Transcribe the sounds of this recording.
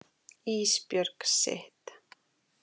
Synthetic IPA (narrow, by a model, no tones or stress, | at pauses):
iːspjœɾksɪ̰ht̪